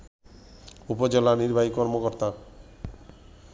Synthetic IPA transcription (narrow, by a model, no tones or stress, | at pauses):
upod͡ʑelaniɾbʱaɦikɔɾmokɔɾt̪a